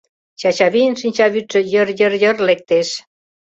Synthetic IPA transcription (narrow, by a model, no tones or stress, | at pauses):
t͡ɕɑt͡ɕɑβijənʃinʲt͡ɕɑβyʃə̆jə̆rjə̆rjərlek̚t̪eʃ